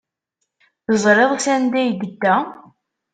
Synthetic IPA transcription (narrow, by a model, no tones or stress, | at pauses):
θəzˤɾeðˤsænd̪æjd̪əd̪ːæ